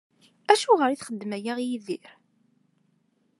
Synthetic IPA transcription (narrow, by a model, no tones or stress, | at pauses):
æʃuʁəɾiθχəd̪ːmæjæʁjiðiɾ